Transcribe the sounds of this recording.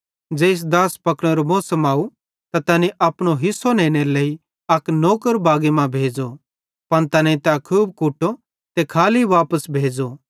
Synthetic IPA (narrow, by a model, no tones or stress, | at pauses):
d͡ʒeːɪs̬d̪aːspɐkɽ̃ɛɾomɔːsəmaːu | t̪at̪ɐniʔɐːpɽ̃oɦɪsːonẽːɽ̃eɾleːi | ɐknoːkəɾbaːɡemãbʱeːd͡zo | pɐɽ̃t̪ɐnẽĩt̪akʰuːb̚kuʈːo | t̪ekʰaːliʋaːpəsbʱeːd͡zo